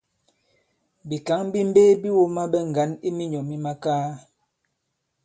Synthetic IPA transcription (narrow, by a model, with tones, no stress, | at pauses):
bi˨ka˨˦ŋ˦bi˦m̩˦beː˦bi˦wo˦ma˦bɛ˦ŋ̩˨ɡa˨˦ni˦mi˦ɲɔ˨mi˦ma˦kaː˦